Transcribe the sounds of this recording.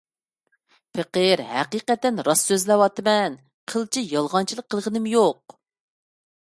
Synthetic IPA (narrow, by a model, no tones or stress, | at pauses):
pʰɨqəɾhæqiːqɛt̪ːɛnɾɑsːøzlɛwɑt̪ɨmɛn | qʰəlˠt͡ʃʰijɑlˠʁɑnt͡ʃʰilˠəqʰːəlˠʁənɨmjoq̚